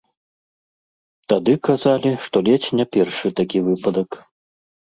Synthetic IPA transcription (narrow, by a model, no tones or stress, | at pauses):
t̪ad̪ɨkazalʲiʂt̪ɔlʲɛt͡sʲnʲapʲɛrʂɨt̪akʲivɨpɐd̪ɐk